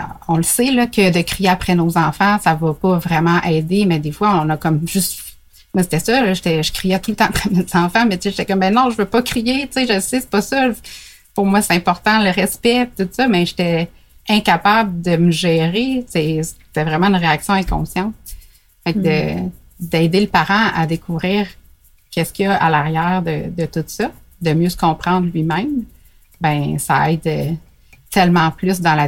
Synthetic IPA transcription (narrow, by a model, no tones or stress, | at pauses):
ɔ̃ləselʌkʲəd̪əkχijeapχɛnozɑ̃fɑ̃savʌpɔvʁɛmɑ̃ʔɛːd̪emɛd̪efwaɔ̃nakɔmʒʏst̪ | mase̥t̪ɛsɔlʌʒet̪ɛʒəkχijɛt̪ult̪ɑ̃apχɛmez̥ɑ̃fɑ̃mɛt͡seʒet̪ɛkɔmbɛ̃nɔ̃ʒəvøpʌkχijet͡seʒəsese̥pʌsʌ | pʊʁmwase̥t̪ɛ̃pɔʁt̪ɑ̃ləʁɛspɛpi̥t̪ut̪sʌmɛʒe̥t̪ɛ | ɛ̃kapabld̪əməʒɛːʁesest̪ɛvʁɛmɑ̃ynʁeaksjɔ̃ɛ̃kɔ̰̃sjɑ̃t̪̚ | fak̚d̪ə | d̪ɛːd̪eləpaʁɑ̃a̰d̪ekʰuvʁiːʁ | kʲɛskʲiʌʔa̰laʁjæːʁd̪əd̪ət̪ut̪sʌ | d̪əmjøsə̥kɔ̃pχɑ̃d̪ʁlɥimɛ̃m | bɛ̃sa̰ɛɪd̪ə | t̪ɛlmɑ̃plʏs̬d̪ɑ̃la